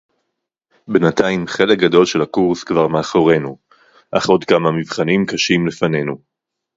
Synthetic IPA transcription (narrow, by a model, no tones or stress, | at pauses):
benataimχe̞lek̚ɡado̞lʃe̞lakuʁskvaʁmeaχoʁe̞nu | ʔaχʔo̞dkamamivχanimkaʃimlefane̞nu